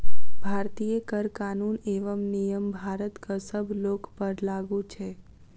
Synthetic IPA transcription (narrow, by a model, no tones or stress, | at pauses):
bʱaɾt̪ijəkəɾkanuneʋəmnijəmbʱaɾət̪kəsəbʱlokpəɾlaɡũt͡ʃʰe